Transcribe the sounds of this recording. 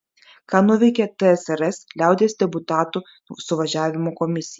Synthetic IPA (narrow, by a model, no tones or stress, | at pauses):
kɑːnʊʋʲɛɪkʲɛt̪ɛɛsɛɾɛslʲæˑʊd̪ʲeːsd̪ʲɛbʊt̪ɑːt̪u | sʊʋɐʒʲæːʋʲɪmokɔmʲɪsʲɪj